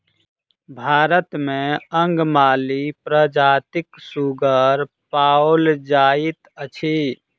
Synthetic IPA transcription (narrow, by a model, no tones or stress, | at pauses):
bʱaːɾət̪mẽə̃ŋɡmaːlipɾəd͡ʒaːt̪ɪksuɡəɾ | paːold͡ʒaːɪt̪ət͡ʃʰi